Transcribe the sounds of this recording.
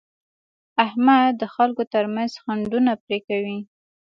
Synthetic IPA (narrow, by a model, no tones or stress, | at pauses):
ahmad̪əxalkot̪əɾmanzxaɳɖunapɾekawi